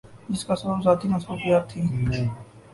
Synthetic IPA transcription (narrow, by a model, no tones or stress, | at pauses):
d͡ʒɪskasbəbzaːt̪imɐsbuːkijaːt̪ʰːiː